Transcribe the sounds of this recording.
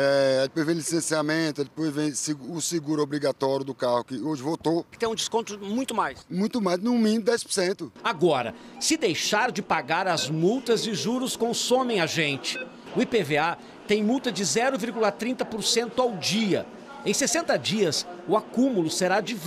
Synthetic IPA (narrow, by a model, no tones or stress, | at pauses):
ɛɪpojzvẽlisẽsiamẽt̪ʊɛdɪpojzvẽj̃sɪɡuʊsɪɡuɾobɾiɡat̪ɔɾjʊd̪ʊkahʊkɪoʒɪvot̪okɪ̥t̪ẽj̃ũd͡ʒɪskõnt̪ʊmũj̃t̪ʊmajsmũj̃t̪ʊmajznũmĩnd̪ɛjspʊɾsẽnt̪ʊaɡɔɾɐ̰ | sɪd̪ejʃaɾd͡ʒɪpaɡaɾɐzmuwt̪ɐzɪʒuɾʊskõsõmẽj̃aʒẽnt͡ʃɪ̥ | ʊipevea | t̪ẽj̃muwt̪ɐd͡ʒɪzɛɾʊviɾɡulɐt̪ɾĩnt̪ɐpʊɾsẽnt̪ʊawd͡ʒiɐ̰ | ẽj̃sesẽnt̪ɐd͡ʒiɐsʊakũmulʊseɾad͡ʒɪv